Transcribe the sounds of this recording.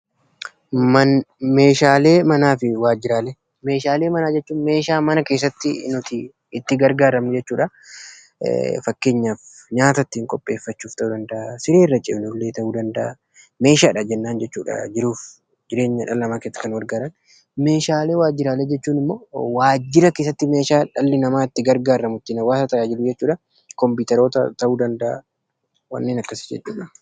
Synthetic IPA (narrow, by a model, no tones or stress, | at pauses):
mɐnme̞ːʃaːle̞ːmɐnaːfɪwaːd͡ʒɪɾaːle | me̞ːʃaːle̞ːmɐnaːd͡ʒɛt͡ʃːuːnme̞ːʃaːmɐnɐke̞ːs̬ːɐt̪ːɪnʊt̪ɪ | ɪt̪ːɪɡɐɾɡaːɾɐmnɪd͡ʒɛt͡ʃːuːᶑɐ̰ | fɐkːe̞ːɲːaːfɲaːt̪ɐt̪ːiːŋkʼɔpʼːe̞ːfːɐt͡ʃːuːft̪ɐʔuːd̪ɐnd̪ɐʔɐsɪɾeːrːɐt͡ʃʼɪbnʊlːeːt̪ɐʔuːd̪ɐnd̪ɐʔɐ | me̞ːʃaːᶑɐd͡ʒɛnːaːnd͡ʒɛt͡ʃːuːᶑɐ̰d͡ʒɪɾuːf | d͡ʒɪɾe̞ːɲːɐᶑɐlːɐmaːkeːt̪ːɐ̥kɐnwɐɾɡaːɾɐn | me̞ːʃaːle̞ːwaːd͡ʒːɪɾaːleːd͡ʒɛt͡ʃːuːnɪmːoːwaːd͡ʒːɪɾɐkeːs̬ːɐt̪ːɪme̞ːʃaːᶑɐlːɪnɐmaːɪt̪ːɪɡɐɾɡaːrːɐmʊt̪ːɪnɐwaːsɐt̪ɐʔaːd͡ʒɪlʊd͡ʒɛt͡ʃːuːᶑɐ | kɔmpiːt̪ɛɾo̞ːt̪ɐt̪ɐʔuːd̪ɐnd̪ɐʔa̰ | wɐ̰nːeːnɐkːɐsɪ̥d͡ʒɛ̰t͡ʃːuːᶑɐ